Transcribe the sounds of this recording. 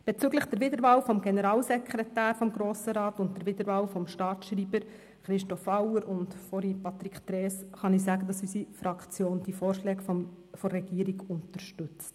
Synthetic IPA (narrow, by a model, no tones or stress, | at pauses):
b̥et͡syːɡləχd̥əɾʋɪdəɾʋɑːlfɔmɡ̥enəɾɑːlsɛkʰɾɛtæːɾfɔmɡɾoːsəɾɑːtʊntd̥əɾʋɪdəɾʋɑːwfɔmʃtɑːtʃriːbəɾ | χɾɪʃtɔfɑwəɾʊntfɔɾipɑt̪ɾiktɾɛːsχɑnisæːɡədɑsysifɾɑkt͡sjoːnd̥ifɔːɾʃlɛːɡf | fɔrːɛɡ̥iːɾiɡʊntəɾʃtʉt͡st